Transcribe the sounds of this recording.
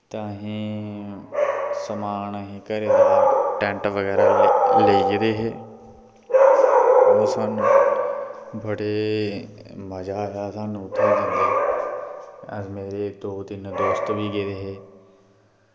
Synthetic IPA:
t̪ãːɦĩː | səmaːnəɦĩːkəɾeːd̪aːʈɛ̃ɳʈʋəɡɛːɾaːleiɡed̪eːɦeː | ʊsəːn | bəɽeː | məd͡ʒaːɦaːsãːnũːt̪ʰẽːd̪ə̃nd̪eː | əmeːɾeːd̪oːd̪ɪnd̪oːst̪ʋiːɡeːd̪eːɦeː

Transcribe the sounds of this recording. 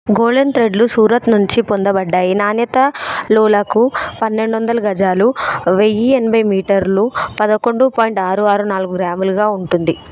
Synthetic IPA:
ɡoːlent̪ɾeɖlusuːɾɐt̪nuɲt͡ʃipond̪ɐbɐɖːaːjinaːnjɐt̪ɐlɔːlɐkupɐnːe̞ɳɖuʋɐnd̪ɐlɐɡɐd͡ʒaːluʋejienɐbʱɐjmiːʈɐɾlupɐd̪ɐko̞ɳɖupoːjiɳʈaːɾuaːɾunaːlɡuɡɾaːmɐluɡaːuɳʈund̪i

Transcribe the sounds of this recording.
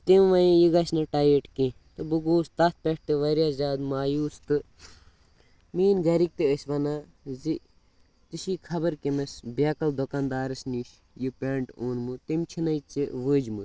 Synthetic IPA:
t̪imʋɐjĩjiɡɐsnɐʈaːjeʈkĩ | t̪ɨbɨɡoːst̪ɐt̪̚ʰpʲeʈ̚t̪ɨʋɐɾʲjaːzʲaːd̪maːjuːst̪ɨ | miːnɡɐɾik̚t̪ɨəsʲʋɐnaː | zi | t̪iʃiːkʰɐbɐɾkimɐsʲbʲaːkɐld̪okand̪aːɾɨsniʃ | jipʲeːɳʈoːnmɨt̪imt͡ʃʰinɐjt͡siʋəːd͡ʒmɨ

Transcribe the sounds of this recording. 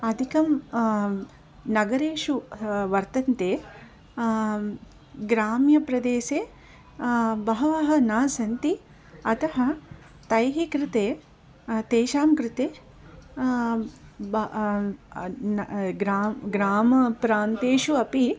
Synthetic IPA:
ɐd̪ʱikɐm | nɐɡɐɾeːʃuʋɐɾt̪ɐnt̪eː | ɡɾaːmjɐpɾɐd̪eːseː | bɐɦɐʋɐɦɐ̆naːsɐnt̪i | ɐt̪ɐɦɐ̆ | t̪ɐjɦikɾɪt̪eː | t̪eːʃaːmkɾɪt̪eː | b | nɡɾaːɡɾaːmɐpɾaːnt̪eːʃuɐpi

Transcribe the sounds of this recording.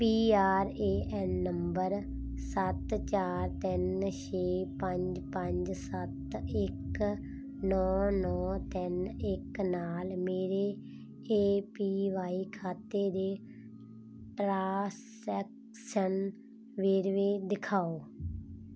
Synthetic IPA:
piːaːɾeːʔɛnːəmbəɾ | sət̪t͡ʃaːɾt̪ɪnʃeːpəɲd͡ʒpəɲd͡ʒsət̪ɪk | nɔːnɔːt̪ɪnɪknaːlmeːɾeː | eːpiːʋaːiːkʰaːt̪eːd̪eː | ʈɾaːs | ɛːk | ʃən | ʋeːɾʋeːd̪ɪkʰaːoː

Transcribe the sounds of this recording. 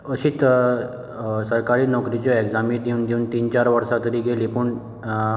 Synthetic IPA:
əɕiːt̪ | səɾkaɾiːnɔkɾit͡ɕjɔeɡd͡zamiːd̪ʱeuːnd̪euːnt̪iːnt͡ɕaɾʋəɾsat̪əɾiːɡʱelipuɳ

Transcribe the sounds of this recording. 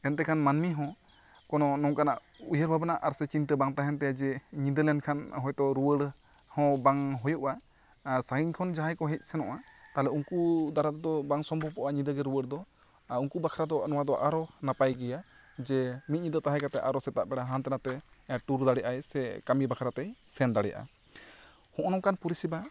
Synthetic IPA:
ɛnt̪ɛkʰanmanmiɦɔ̃ | kɔnɔnɔŋkanaʔ | ujəɾbʱabanaʔaɾsɛt͡ʃint̪ɛbaŋt̪aɦɛnt̪ɛjad͡ʒɛɲid̪əɾlɛnkʰanɦɔjt̪ɔɾuwəɽ | hɔ̃baŋɦɔjɔʔa | saiɲkʰɔnd͡ʒaɦajkɔɦɛc̪̚ˀsɛnɔ̰ʔat̪aɦlɛuŋkud̪aɾat̪d̪ɔbaŋsɔmbɔpɔʔaɲid̪əɡɛɾuwəɽd̪ɔ | uŋkubakʰaɾad̪ɔnɔwad̪ɔʔaɾɔnapajɡɛja | d͡ʒɛmit̪̚ˀɲid̪ət̪aɦɛkat̪ɛʔaɾɔsɛt̪aʔbɛɽaɦant̪ɛnat̪ɛʈuɾd̪aɽɛʔajsɛkamibakʰaɾat̪ɛsɛnd̪aɽɛjaʔa̰ | hɔ̃ʔɔnɔkanpuɾisiba

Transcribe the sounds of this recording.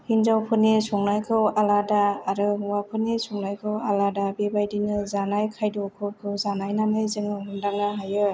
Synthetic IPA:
hinzawpʰɯnesɔŋnajkʰɯwaladaːɾɯuwapʰɯnesɔŋnajkʰɯwaladabebajdinɯzanajkʰajdɔkʰɯkʰɯwzanajnamɯjzɯŋɯɦundaŋnaɦajɯ

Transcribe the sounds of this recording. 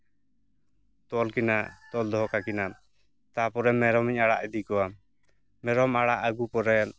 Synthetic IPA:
t̪ɔlkina̰t̪ɔld̪ɔɦɔkakina | t̪apɔɾɛmɛɾɔmiɲaɽaʔɛd̪ikɔwa | mɛɾɔmaɽaʔəɡupɔɾɛl

